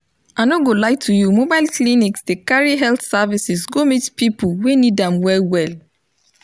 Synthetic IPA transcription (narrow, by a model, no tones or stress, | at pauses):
aɪnoɡolaɪtʰujumobaɪlkliniksdekaɹiɦɛlθsavisisɡomitpipulwenidãmwɛlwɛl